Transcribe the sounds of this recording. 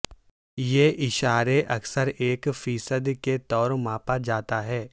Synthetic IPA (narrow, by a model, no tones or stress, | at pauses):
jeʔɪʃaːɾeʔɐksəɾeːkfiːsəd̪ket̪ɔːɾmaːpad͡ʒaːt̪aɦɛː